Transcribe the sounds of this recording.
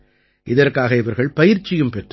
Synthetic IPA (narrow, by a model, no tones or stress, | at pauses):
ʔɪðɐrkaːɣɐɪʋɐɾɣɐɭpɐjɪɾt͡ʃːɪjɯmpɛʈr